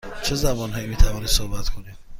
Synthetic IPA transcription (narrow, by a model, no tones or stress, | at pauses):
t͡ʃʰezæbɒːnɦɒːjiːmiːt̪ʰævɒːniːd̪sohbæt̪kʰoni̥